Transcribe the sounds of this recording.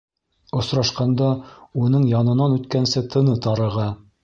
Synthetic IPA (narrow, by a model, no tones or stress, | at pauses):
ŏsɾɑʃqɑnd̪ɑunɤɴjɑnɤ̆nɑnʉt̪kænsɘt̪ʰɤ̆nɤt̪ɑɾɤ̆ʁɑ